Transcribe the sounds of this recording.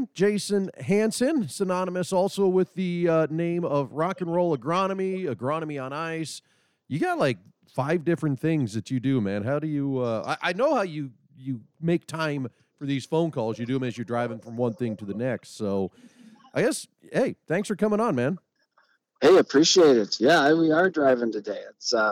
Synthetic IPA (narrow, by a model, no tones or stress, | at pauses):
d̥ʒ̥eɪsɨ̃nɦæ̃nsɨ̃nsɨnɑnəmɨsɔlˠsoʊwɪðɨʌnẽɪ̃mʌvɹɑkɨ̃nɹoʊlˠəɡɹɑnəmiɨɡɹɑnəmiə̃naɪs | jɨɡɑtˡlaɪk̚ | faɪvdɪfɹɨ̃nθɪ̃ŋzðɨt͡ʃɨdɨmæ̃nɦaʊɾɨjɨʌa̰ɪʔa̰ɪnoʊhaʊjɨ | jɨmeɪk̚tʰãɪ̃ɱ | fə˞ðiz̥fõʊ̃nkʰɔlˠzjɨdɨɨ̃mɨzjə˞dɹaɪvɪ̃ŋfɹʌ̃mwʌ̃nθɪ̃ŋtʰɨðɨnɛkstsoʊ | ʔaɪɡɛs | heɪθæ̃ŋksfə˞kʰʌ̃mɪ̃ŋə̃nmæ̃n | heɪɨpʰɹ̥iʃieɪɾɪd̚jæwiə˞dɹaɪvɪ̃ŋtɨdæɪds